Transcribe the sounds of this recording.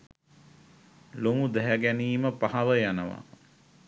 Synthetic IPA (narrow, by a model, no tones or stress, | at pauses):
loŋud̪æɦæɡæniːməpaɦaʋəjanəʋa̰